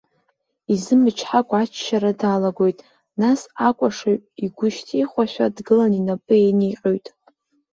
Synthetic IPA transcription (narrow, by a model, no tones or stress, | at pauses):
izɨmɨt͡ʃʰħakʷʼat͡ʃʰːaɾadaːlaɡo̞jtʼ | nasakʷʼaʂaɥʼiɡʷʊʃtʰiχʷaʃʷᶣadɡɨlaninapʼɨenejqʼojtʼ